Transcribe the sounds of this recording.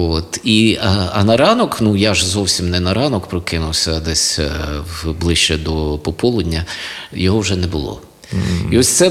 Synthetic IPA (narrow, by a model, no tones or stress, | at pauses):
ot̪iɐɐnɐɾɑnɔknujaʒzɔwsʲimnɛnɐɾɑnɔkpɾɔkɪnʊwsʲɐd̪ɛsʲwblˠɪʃt͡ʃɛd̪ɔpɔpɔlˠʊdʲnʲːɐjɔɦɔwʒɛnɛbʊlˠɔ̰ | iɔsʲt̪sɛ